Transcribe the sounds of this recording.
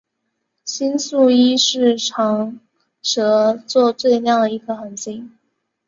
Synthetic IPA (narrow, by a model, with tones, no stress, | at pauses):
ɕi˥nsu˥˩i˥ʂɻ̩˥˩ʈ͡ʂʰɑ˧˥ŋ | ʂɤ˧˥t͡swɔ˥˧t͡swe˥˧ɪljɑ˥˩ŋd̪ə˩i˧˥ɡə˧xə˧˥˩nɕi˥˩ŋ